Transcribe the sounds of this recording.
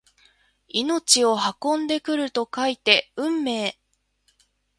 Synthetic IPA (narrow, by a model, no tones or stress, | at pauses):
ino̞t͡ɕio̞ɦakõ̞nd̪e̞kɯ̟ɾɯ̟t̪o̞kait̪e̞ɯ̟̃mːe̞ː